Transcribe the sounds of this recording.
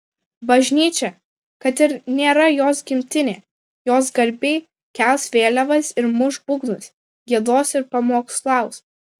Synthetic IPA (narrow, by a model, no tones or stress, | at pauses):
bɐʒʲnʲiːt͡ʃʲɛ | kɐt̪ɪɾnʲeːɾɐjoːsɡʲɪmʲt̪ʲɪnʲeː | joːsɡɐɾʲbʲeɪ | kʲæˑlˠsʋʲeːlʲɛʋɐsɪɾmʊʒbʊɡnʊs | ɡʲiɛd̪oːsɪɾpɐmoːkslˠɑˑʊs